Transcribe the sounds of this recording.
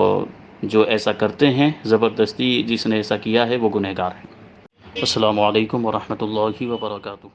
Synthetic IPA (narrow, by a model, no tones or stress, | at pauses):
ɔ̰ː | d͡ʒoːʔɛːsakɐɾt̪eɦɛ̃zɐbəɾd̪əst̪id͡ʒɪsneɛːsakijaɦɛʋoɡʊnɛɦɡaːɾɦɛ̃ː | ɐsːɐlaːmʊɐleːkʊmʋɐɾɐhmət̪ʊlːaːɦiʋɐbɐɾɐkaːt̪ʊɦ